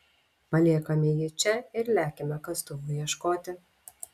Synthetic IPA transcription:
pɐlʲiɛkɐmʲɪjɪt͡ʃʲɛɪɾlʲæːkʲemʲɛkɐst̪ʊʋʊjiɛʃkoːt̪ʲɪ

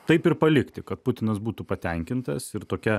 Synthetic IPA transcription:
t̪ɐɪpɪɾpɐlʲɪkt̪ʲɪkɐt̪pʊt̪ʲɪnɐsbuːt̪upɐt̪ʲɛŋʲkʲɪnt̪ɐsɪɾt̪oːkʲɛ

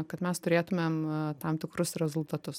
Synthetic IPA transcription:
kɐt̪mʲɛst̪ʊɾʲeːt̪ʊmʲeːmt̪ɐmt̪ʲɪkɾʊsɾʲɛzʊlˠt̪ɐt̪ʊs

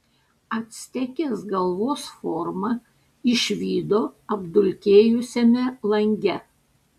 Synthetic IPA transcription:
ɐt̪ʲsʲt̪ʲɛkʲeːsɡɐlˠʋoːsfɔɾmɐ | ɪʃʲʋʲiːd̪oːɐbd̪ʊlʲkʲeːjʊsʲɛmʲɛlˠɐŋʲɡʲɛ

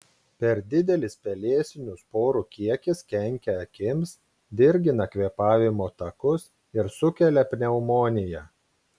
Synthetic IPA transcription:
pʲɛɾd̪ʲɪd̪ʲɛlʲɪspʲɛlʲeːsʲɪnʲʊspoːɾukʲiɛkʲɪskʲɛŋʲkʲɛɐkʲɪms | d̪ʲɪɾʲɡʲɪnɐkʲʋʲiːpɑːʋʲɪmoːt̪ɐkʊs | ɪɾsʊkʲɛlʲɛpʲnʲɛʊmoːnʲɪjɛ

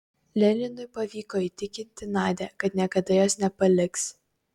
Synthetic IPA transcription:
lʲɛlʲɪnʊɪpɐʋʲiːkoːit̪ʲɪkʲɪnʲt̪ʲɪnɑːd̪ʲɛkɐt̪nʲiɛkɐd̪ɐjoːsnʲɛpɐlʲɪks

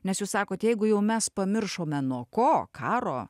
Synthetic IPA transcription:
nʲɛsjuːssɑːkoːt̪jɛɪɡʊjɛʊmʲɛspɐmʲɪrʃoːmʲɛnuɔkoːkʰɑːɾo̰ː

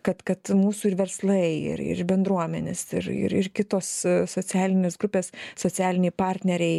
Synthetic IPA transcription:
kɐt̪kɐt̪muːsuːɪɾʋʲɛɾslˠɐɪɪ̰ɾɪ̰ɾbʲɛnd̪ɾuɔmʲɛnʲesɪ̰ɾɪ̰ɾɪrkʲɪt̪oːssoːt͡sʲæːlʲɪnʲeːsɡɾʊpʲeːssoːt͡s̪ʲæːlʲɪnʲɛɪpɑːɾʲt̪ʲnʲɛɾʲɛɪ

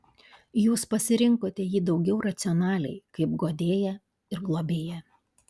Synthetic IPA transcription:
juːspɐsʲɪɾʲɪŋkoːt̪ʲɛjiːd̪ɒʊɡʲɛʊɾɐt̪sʲɪɔnɑːlʲɛ̰ɪkɐɪp̚ɡoːd̪ʲeːjɛ | ɪɾɡlˠoːbʲeːjɛ

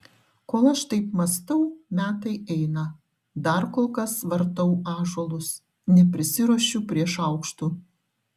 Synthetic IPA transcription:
koːlˠɐʃt̪ɐɪpmɐst̪ɐʊmʲæːt̪ɐɪʔɛɪnɐ | d̪ɐɾkoːlˠkɐsʋɐɾt̪ɐʊɑːʒɔlˠʊs | nʲɛpʲɾʲɪsʲɪɾuɔʃʲʊpʲɾʲiɛʃɐʊkʃt̪uː

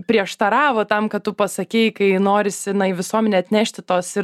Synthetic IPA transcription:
pʲɾʲiɛʃt̪ɐɾɑːʋoːt̪ɐmkɐtt̪ːʊpɐsɐkʲɛɪkɐɪnoːɾʲɪsʲɪnɐɪʋʲɪsuɔmʲɛnʲeːɐt̪ʲnʲæːʃʲt̪ʲɪt̪oːsɪ

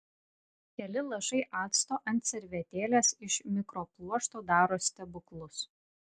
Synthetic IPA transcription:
kʲɛlʲɪlˠɐʒɐɪʔɑːt̪st̪oːʔɐnʲt̪ʲsʲɛɾʲʋʲɛt̪ʲeːlʲeːsɪʃmʲɪkɾoːplˠuɔʃt̪oːd̪ɑːɾoːsʲt̪ʲɛbʊklˠʊs

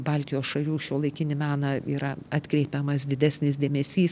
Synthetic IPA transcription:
bɑːlʲt̪ʲɪjoːsʃɐlʲuːʃʲuːlˠɐɪkʲɪnʲɪmʲæːnɐiːɾɐɑt̪ʲkɾʲɛɪpʲɛmɐs̬d̪ʲɪd̪ʲæːsʲnʲɪsd̪ʲeːmʲɛsʲiːs

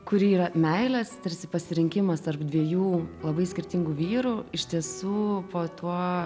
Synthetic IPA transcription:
kʊɾʲiiːɾɐmʲɛɪlʲɛst̪ɐɾʲsʲɪpɐsʲɪɾʲɪŋʲkʲɪmɐst̪ɐrpd̪ʲʋʲiɛjuːlˠɐbɐɪsʲkʲɪɾʲt̪ʲɪŋɡuːʋʲiːɾuɪʃt̪ʲiɛsuːpoːt̪uɔ

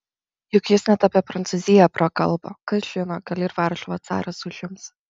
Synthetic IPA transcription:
jʊkjɪsnʲɛt̪ɐpʲiɛpɾɐnt̪sʊzʲɪjɛpɾɐkɐ̰lˠbokɐsʒ̥ʲɪnoːɡɐlʲɪɾʋɑɾʃoʋɐt̪sɑ̰ːɾɐsʊʒʲjʊms

